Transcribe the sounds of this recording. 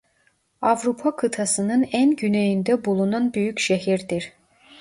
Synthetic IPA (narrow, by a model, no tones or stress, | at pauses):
avɾupʰakʰɯt̪ʰasɯnɯnænɟynejind̪ɛbulˠunanbyjycʃeɦiɾd̪iɾ̥